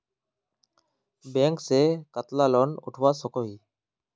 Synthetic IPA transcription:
bẽːŋkseːkət̪laːlɔnʊ̰ʈʰʋaːsɔkoːɦiː

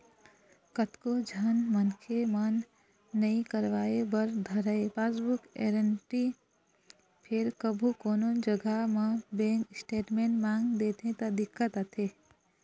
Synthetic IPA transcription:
kət̪kod͡ʒʱənmənkʰemənː | əĩkəɾʋaːebəɾd̪ʱəɾəepasbukḛɾəɳʈi | pʰeɾkəbʱukoːnond͡ʒəɡamə̃bẽŋksʈeːʈmenmãŋɡd̪et̪ɦẽt̪əd̪ɪkːət̪ət̪ʰe

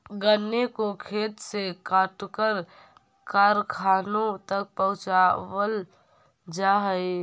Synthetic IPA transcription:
ɡənːekokʰeːt̪sekaːʈkəɾ | kaɾkʰaːnõt̪ək̚pəɦʊ̃t͡ʃawəl | d͡ʒaɦəi

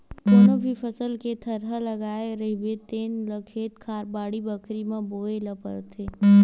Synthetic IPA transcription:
kʊnə̃bʱifʰəsəlket̪ʰɐɾɦəlɐɡaːeɾəbet̪eːnləkʰeːt̪kʰaːɾbaːɽibəkʰɾimãboːelɐpə̰ɾt̪ʰeː

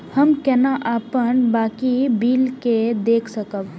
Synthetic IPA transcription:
həmkɛːnaʔaːpənbaːkibiːlked̪eːkʰsəkəb

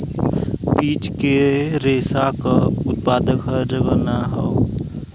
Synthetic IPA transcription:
piːt͡ʃke | ɾeːsakə | ʊt̪̚paːd̪əɡʱəɾbənaɦɔ

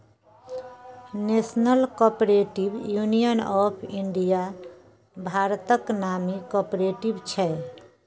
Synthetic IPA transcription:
nesnəlkɔpɾeʈibjunijənɔpʰiɳɖija | bʱaɾt̪əknamikɔpɾeʈibt͡ʃʰɛ

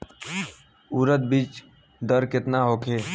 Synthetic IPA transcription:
uːɾət̪̚biːt͡ʃ | d̪əɾkɪt̪naɦoːkʰeː

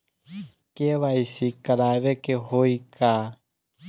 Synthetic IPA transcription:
keβaisikaɾaβɛkehoikʰa

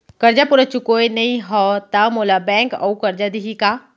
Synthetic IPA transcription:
kɐɾd͡ʑapʊɾət͡ɕukoːinɐĩɦɔt̪amoːlabɛ̃ːŋkɐ̰ukɐɾd͡ʑad̪iɦikaː

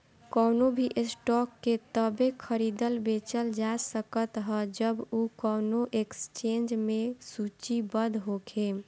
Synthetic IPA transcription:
kəːnobʱiʔesʈɔkːet̪əbekʰəɾid̪əlbet͡ʃəld͡ʒasəkət̪ɦəd͡ʒəbukəːnoʔekst͡ʃend͡ʒmesut͡ʃibəd̪ʱɦokʰe

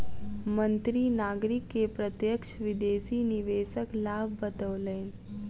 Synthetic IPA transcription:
mə̃nt̪ɾinaːɡɾɪkːepɾət̪jəkʃʋɪd̪eːsiːniʋeːʃəklaːbʱːət̪əʋleːn

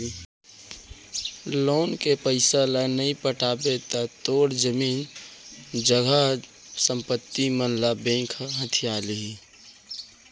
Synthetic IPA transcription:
loːnkepəɪsalanəĩpəʈʰaːbet̪at̪oːɽd͡ʒəmiːn | d͡ʒəɡʱə | sə̃mpət̪ːimənlabẽːŋkʰɦət̪ʰijaːlii

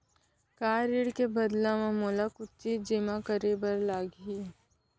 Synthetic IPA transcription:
kaːɾɪɽkebɐd̪lãmẽmoːlakʊtːid͡ʒɪmãkəɾebəɾlaːɡɦi

